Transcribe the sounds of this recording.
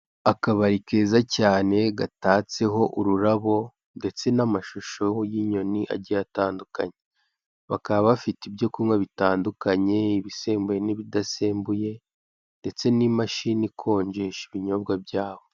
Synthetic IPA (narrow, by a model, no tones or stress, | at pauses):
akaβaɾike̞ːzacaːne̞ɡataːt͡se̞ɦo̞ʔuɾuɾaβo̞ | nde̞t͡se̞namaʃuʃo̞jiɲo̞niʔa̰ɟijataːndukaɲe | βakaβaβaβafitibjo̞kumŋwaβitaːndukaɲe̞iβise̞ːmbuje̞niβidaseːmbuje̞ | nde̞t͡se̞nimaʃinikʰo̞ːɲɟe̞ʃiβiɲo̞bɡabɟaːβo̞